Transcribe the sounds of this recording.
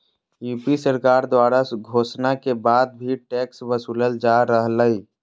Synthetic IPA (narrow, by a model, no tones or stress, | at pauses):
juːpisəɾkaːɾd̪waːɾaɡʱosnakebaːd̪̚bʱiʈɛksʋbəsuləld͡ʒaɾəɦləi